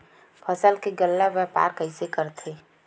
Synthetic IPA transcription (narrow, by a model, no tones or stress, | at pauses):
pʰəsəlkeɡəlːaʋjɛpa̰ːɾkəɪsekəɾt̪ʰe